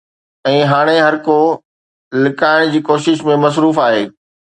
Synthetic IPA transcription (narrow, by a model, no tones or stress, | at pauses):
ɛ̃ːɦaːɽ̃eɦɐɾko | lɪkaːɪɽ̃d͡ʑiːkoːʃɪʃmẽmɐs̬ɾuːfaːɦeː